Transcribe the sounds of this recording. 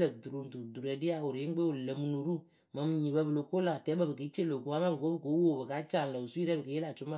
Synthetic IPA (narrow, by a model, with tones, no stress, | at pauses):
lə˨du˨ɾu˨n˨tu˨du˨ɾɛ˨di˦a˦˨wʊ˨ɾɪ˦ɡ͡be˦o˨lə˨mu˦nu˨ɾu˦ | mə˨˧m˨ɲi˨bə˦bə˨lo˨ko˦la˨tɛ˨˦bə˦˨bɨ˨ki˨˦t͡ʃe˦˨lo˨ku˨˦a˦ma˦bɨ˨ko˦bɨ˨ko˨˦wo˦˨bɨ˨ka˨˦t͡ʃa˦˨n˨lə˨u˨su˦i˦ɾɛ˦bɨ˨ke˨˦je˦la˨t͡ʃʊ˦ma˦